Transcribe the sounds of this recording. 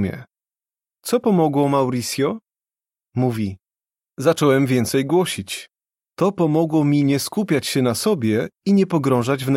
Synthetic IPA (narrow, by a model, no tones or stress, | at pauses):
mʲɛ̰ | t̪sɔpɔmɔɡwɔmawɾisʲjɔ | muvʲi | zat͡ʂɔwɛmvʲjɛnt̪sɛjɡwɔɕit͡ɕ | t̪ɔpɔmɔɡwɔmʲiɲɛskupʲjat͡ɕɕɛnasɔbʲjɛiɲɛpɔɡɾɔ̃w̃ʐad͡ʑvn